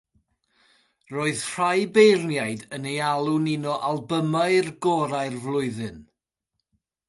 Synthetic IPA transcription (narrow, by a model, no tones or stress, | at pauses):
roːɨðr̥ajbejrnjajdənejalˠunɪnɔʔalˠbəmaɨrɡɔːɾaɨrvlˠʊɨðɨn